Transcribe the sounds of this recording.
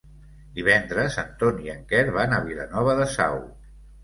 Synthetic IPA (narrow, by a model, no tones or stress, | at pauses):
d̪iβ̞ɛnd̪ɾəza̰nt̪oniəŋkɛɾβanəβila̰nɔβ̞əðəsa̰w